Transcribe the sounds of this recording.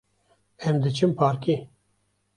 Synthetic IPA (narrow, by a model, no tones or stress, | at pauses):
ɛmd̪ɨt͡ʃʰɨmpʰaːɾki